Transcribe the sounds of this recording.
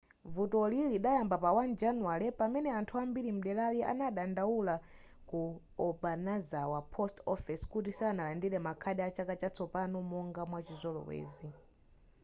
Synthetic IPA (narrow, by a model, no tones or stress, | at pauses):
vutɔliliɗajambapawand͡ʒanualɛpamɛnɛantʰuambilim̩ɗɛlaliʔa̰naɗandawula | ku | ɔbanazawapʰɔstɔfɛskutisianalandilɛmakʰaɗɛat͡ʃakat͡ʃat͡sɔpanumɔŋɡamwat͡ʃizʷɔlɔ̰wɛ̰ːzi